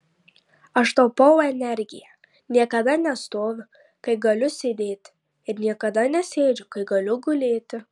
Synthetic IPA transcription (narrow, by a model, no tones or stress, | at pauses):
ɐʃt̪ɐʊpɐʊɛnʲɛɾʲɡʲɪ̰jɛ | nʲiɛkɐd̪ɐnʲɛst̪oːʋʲʊ | kɐɪɡɐlʲʊsʲed̪ʲeːt̪ʲɪ | ɪɾnʲiɛkɐd̪ɐnʲɛsʲeːd͡ʒʲʊkɐɪɡɐlʲʊɡʊlʲeːt̪ʲɪ